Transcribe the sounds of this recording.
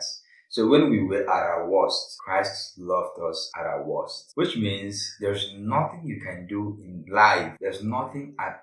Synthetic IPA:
sowɛ̃nwiwɛʔa̰ɾawɔstkʰɹaɪstlʌvdɔsa̰ɾa̰wɔstwɪt͡ʃmĩnsðɛɹznʌθɪ̃ŋjukʰɛ̃nduɪ̃nlaɪfðɛɹznʌθɪ̃ŋat

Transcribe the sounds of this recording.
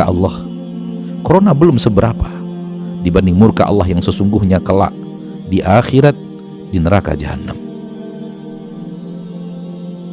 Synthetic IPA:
aʔɑ̰lːɑh | koɾonabəlʊmsəbəɾapadibandiŋmurka̰ʔɑ̰lːaɦjaŋsəsuŋɡʊhɲakəla̰ʔ | diʔaxiɾat̪̚ | dinəɾaka̰d͡ʒa̰ɦa̰nːa̰m

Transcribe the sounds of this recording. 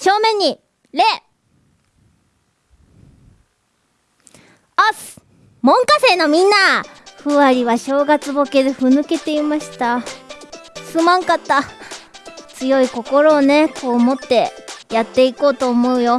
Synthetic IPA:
ɕo̞ːmẽ̞ɲ̟ːi | ɾe | as | mõ̞ŋkase̞ːno̞mʲĩnːaɸɯ̟βaɾʲiβaɕo̞ːɡat͡sɨbo̞ke̞d̪e̞ɸɯ̟nɯ̟ke̞t̪e̞imaɕi̥t̪a | sɨmãŋkat̪ːa | t͡sɨjo̞iko̞ko̞ɾo̞ːne̞ko̞ːmo̞t̪ːe̞jat̪ːe̞iko̞ːt̪o̞ːmo̞ɯ̟jo̞

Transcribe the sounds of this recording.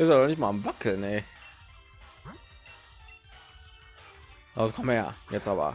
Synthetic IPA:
ʔɪstadɔnɪçtmaːmvakʰl̩nɛ | askʰɔmja̰jɛt͡stʔa̰ːbɐ̰

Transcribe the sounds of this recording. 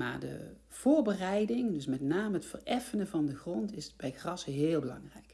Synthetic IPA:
ma̰ːɹdə̰ | v̥ʊːɹbərɛjdɪŋdɵsmɛtnaːməətfərʔɛfənəvɑndəxrɔntɪsb̥ɛjxrɑsəɦɪːlˠbəlɑ̰ŋrɛ̰jk

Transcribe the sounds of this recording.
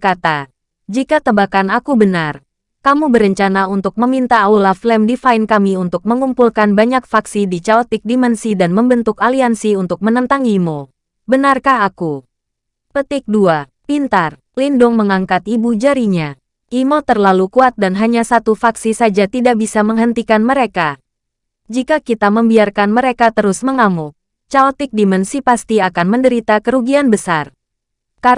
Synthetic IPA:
kat̪a | d͡ʒikat̪əbakanakubənar | kamubəɾəɲt͡ʃanaunt̪ʊk̚məmint̪aːwulaflɛmdifaɪnkamiunt̪ʊk̚məŋumpulkanbaɲak̚faksidit͡ʃaɔt̪ɪk̚dimɛnsidanməmbənt̪ʊkaliansiunt̪ʊk̚mənənt̪aŋimo | bənarkahaku | pət̪ɪk̚dua | pint̪ar | lindʊŋməŋaŋkat̪ibud͡ʒaɾiɲa | ʔimot̪ərlalukuat̪̚danɦaɲasat̪ufaksisad͡ʒat̪idaʔbisaməŋɦənt̪ikanməɾeka | d͡ʒikakit̪aməmbiarkanməɾekat̪əɾʊsməŋamu | t͡ʃalt̪ɪk̚dimənsipast̪iakanməndəɾit̪akəɾuɡianbəsar | ka

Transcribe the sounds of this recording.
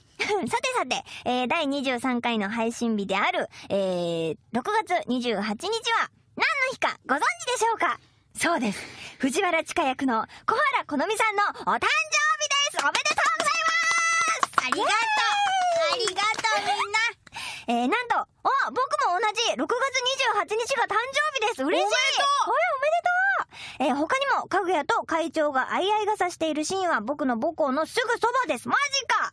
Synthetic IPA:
sat̪e̞sat̪e̞eːd̪aiɲ̟iʑɨːsãŋkaino̞ɦaiɕĩmbʲid̪e̞aɾɯ̟eːɾo̞kɯ̟ɡat͡sɨɲ̟iʑɨːɦat͡ɕiɲ̟it͡ɕiβa | nãnːo̞çi̥ka̰ɡ̥o̞zõ̞ɲ̟d͡ʑid̪e̞ɕo̞ːka | so̞ːd̪e̞sɨ̥ɸɯ̟ʑiβaɾat͡ɕi̥kajakɯ̟no̞ko̞haɾako̞no̞mʲisãnːo̞ot̪ãɲd͡ʑoːbʲid̪e̞sɨ̥obet̪et̪oːɡozaimasiat̪ | iat̪ | eːnãnt̪o̞ | obo̞kɯ̟mo̞ːnaʑiɾo̞kɯ̟ɡat͡sɨɲ̟iʑɨːhat͡ɕiɲ̟it͡ɕiɡat̪ãɲ̟d͡ʑo̞ːbʲid̪e̞sɨɯɾeɕi | omed̪et̪oe̞ɦo̞kaɲ̟imo̞kaɡɯ̟jat̪o̞kait͡ɕo̞ːɡaʔaiaiɡasaɕi̥t̪e̞iɾɯ̟ɕĩɰ̃βabo̞kɯ̟no̞bo̞ko̞ːno̞sɨɡɯ̟so̞bad̪e̞sɨmaʑika

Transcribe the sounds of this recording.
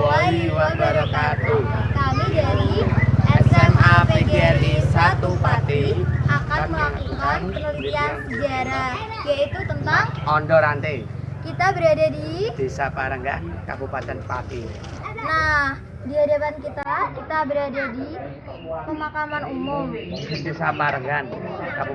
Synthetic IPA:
olɛdiluabaɾasat̪ukamid͡ʒaɾiʔɛsɛmapeeɡeɛisat̪upat̪iakanməlakukanpənəlit̪iansəd͡ʒaɾah | jait̪ut̪ənt̪aŋɔndɔɾant̪ekit̪abəɾadadidisapaɾəŋɡa̰nka̰bupat̪ɛnpa̰t̪i | nah | diadapankit̪akit̪abəɾadadi | pəmakamanumʊmdd̪isapaɾəŋɡanka

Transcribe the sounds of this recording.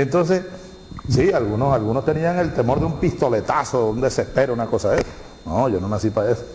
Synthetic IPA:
ent̪o̞ns̬es | sialɣuno̞salɣunost̪e̞niaŋe̞lt̪e̞mo̞ɾðeumpist̪o̞le̞t̪asound̪e̞se̞speɾunako̞saðeso̥ | noʝononasipaeso̥

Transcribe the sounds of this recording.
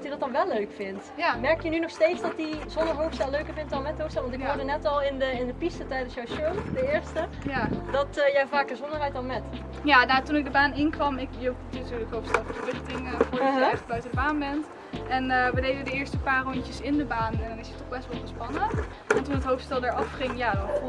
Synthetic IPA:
dtjədɔt̚dɑnʋɛlːøɥkfɪntjamɛɹkjənynɔxstejtsdɑtizɔndəɹɦowftstɛlˠlːøɥkəɹvɪntɔnmɛttɦowfstɛlʋɑntɪɦʊɹdənɛtɔlˠɪndəɪndəpistətɛjdənsjawsømdəɪɹstə | jadɑtjɛwvaːkəɹzɔndəɹɦɛjt̚dɔnmɛt | jaːnatunɪɡ̚dəbaːnɪnkʋɑmɪkjəttyːɹləkɦowftstɛlˠvəəɹbɪχtɪŋəvʊːɹɔjəɛjχələɡ̚bœɥtədəbaːnbɛnt | ɛnəʋədejdədəɪːɹstəpaːrɔɲtəsɪndəbaːnɛndɑnɪsətɔχbɛstʋɔlˠtəspɑnə | ɛntunətɦowfstɛlˠdaːɹɑfχɪŋjaːdɔn

